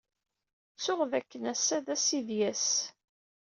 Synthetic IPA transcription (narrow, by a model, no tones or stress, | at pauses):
t͡sːʊʁðækːənæsæðæsiðjæs